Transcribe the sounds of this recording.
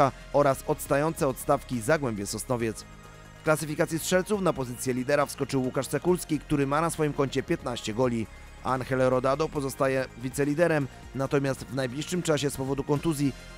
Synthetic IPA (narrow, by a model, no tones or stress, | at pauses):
a | ɔɾasɔt̪st̪ajɔnt̪sɛɔt̪st̪afkʲizaɡwɛmbʲjɛsɔsnɔvʲjɛt̪s | fklasɘfʲikat̪sʲjistʂɛlt̪sufnapɔzɘt̪sʲjɛlʲid̪ɛɾafskɔt͡ʂɘwːukaʂt̪ɛkulskʲik̚t̪uɾɘmanasfɔjimkɔɲt͡ɕɛpʲjɛt̪naɕt͡ɕɛɡɔlʲi | a̰nxɛlɛɾɔd̪ad̪ɔpɔzɔst̪ajɛvʲit̪sɛlʲid̪ɛɾɛm | nat̪ɔmʲjast̪vnajblʲiʂːɘmt͡ʂaɕɛspɔvɔd̪ukɔnt̪uzʲji